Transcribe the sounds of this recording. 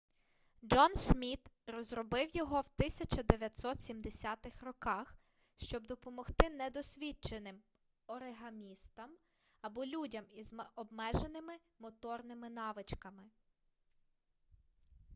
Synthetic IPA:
d͡ʒɔnsʲmʲit̪rɔzɾɔbɪwjɔɦɔwt̪ɪsʲɐt͡ʃɐd̪eʋʲjɐt̪ʲsɔt̪sʲimd̪esʲat̪ɪxrɔkɑx | ʃt͡ʃɔb̚d̪ɔpɔmɔxt̪ɪnɛd̪ɔsʲʋʲit͡ʃenɪm | ɔɾeɦɐmʲist̪ɐm | ɐbɔlʲudʲɐmizɔbmɛʒenɪmɪ | mɔt̪ɔrnɪmɪn̪ɑʋɪt͡ʃkɐmɪ

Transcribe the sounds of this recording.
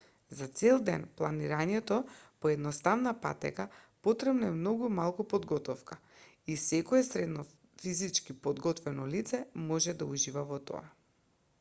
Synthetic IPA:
zat̪sɛlˠd̪ɛnplˠaniɾaɲɛt̪ɔpɔɛd̪nɔst̪avnapa̰t̪ɛ̰kapot̪ɾɛbnaɛmnɔɡumalˠkupɔd̪ɡɔt̪ɔfka | isɛkɔɛsɾɛd̪nɔ | fizit͡ʃkipɔd̪ɡɔt̪vɛnɔlit̪sɛmɔʒɛd̪auʒivavɔt̪ɔ̰a̰

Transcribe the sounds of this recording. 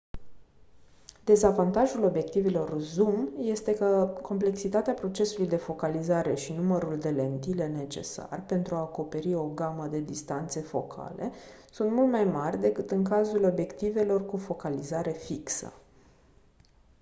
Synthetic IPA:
d̪̥e̞zavant̪aʒulo̞bje̞k̚t̪ivelo̞rzumje̞st̪e̞kəkʰo̞mple̞ksit̪at̪eapɾo̞t͡ʃe̞sulujd̪e̞fo̞kalizaɾe̞ʃinuməɾuld̪e̞le̞nt̪ile̞ne̞t͡ʃe̞̰sa̰rpe̞nt̪ɾuaːko̞pe̞ɾio̞ɡaməd̪e̞d̪ist̪ant̪se̞fo̞kʰa̰le̞sunt̪mult̪majmarʲd̪e̞kɨt̪ɨŋkazulo̞bje̞kt̪ive̞lo̞rkufo̞kalizaɾe̞fiksə̰

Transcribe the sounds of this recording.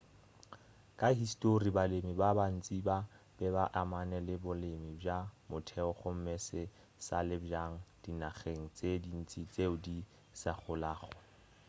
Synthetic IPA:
kʼaɦistʼoribalemibaban̩t͡sʼiba | b̥ɛbaʔamanɛlɪbʊlemɪbjamʊtʰɛɔχʊm̩mɛsɪ | sa̰lɪbjaŋ̩d̥inaχeŋ̩t͡sʼedin̩t͡sʼit͡sʼeʊdi | saχʊlaːχɔ

